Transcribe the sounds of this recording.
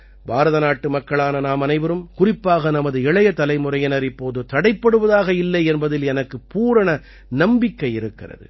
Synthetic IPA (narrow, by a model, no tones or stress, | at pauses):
bʱaːɾɐðɐnaːʈːɯmɐkːɐɭaːnɐnaːmɐnɐɪʋɐɾɯmkʊrɪpːaːɣɐnɐmɐðɯɛɭɐjɐt̪ɐlɐɪmʊrɐjɐnɐɾɪpːoːðɯt̪ɐɽɐɪpːɐɽɯʋɐðaːɣɐɪlːɐɪɛnbɐðɪlɛnɐkːɯpuːɾɐɳɐ | nɐmbɪkːɐɪɪɾɯkːɪrɐ̰ðɯ̰